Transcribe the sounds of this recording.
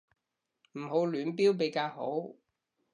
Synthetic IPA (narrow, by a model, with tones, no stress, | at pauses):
m̩˨˩ho˨˥wlyː˨˥np̬iː˥wp̬e˨˥jkaː˧who˨˥w